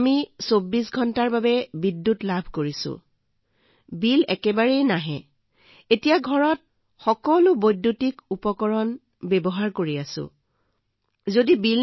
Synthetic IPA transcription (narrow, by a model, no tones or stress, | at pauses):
misobːisɡʱɔntaɹbabɛbidːutlabʱkoɹisʊ̰̃ | bilɛkɛbaɹɛjnaɦɛ | etijaɡʱɔɹɔt̚ | xɔkɔlʊbojdːutikupɔkɔɹɔn | bɛbɔɦaɹkoɹiasʊ̰̃ | zodibil